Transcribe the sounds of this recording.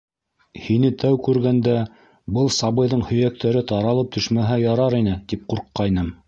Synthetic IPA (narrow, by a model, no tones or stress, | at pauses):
hinɘt̪ʰæwkʉɾɡænd̪æ | bɤlˠsɑβɤ̆jðɤɴhɵ̆jæk̚t̪æɾɘt̪ɑɾɑlˠɤp̚t̪ɵ̆ʃmæɦæjɑɾɑɾinɘt̪ip̚quɾqːɑjnɤm